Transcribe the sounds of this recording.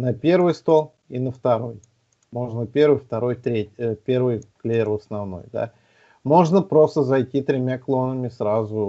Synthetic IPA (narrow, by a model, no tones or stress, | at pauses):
nɐpʲervɨjst̪o̞lˠ | inəft̪ɐɾo̞j | mo̞ʐnəpʲe̞ɾvɨjft̪ɐɾo̞jt̪ɾʲetʲpʲe̞rvɨjklʲeɾʊɐsnɐvno̞̰jd̪a̰ | mo̞ʐnəpɾo̞st̪əzɐjtʲit̪ɾʲɪmʲaklˠo̞nəmʲɪsɾazʊ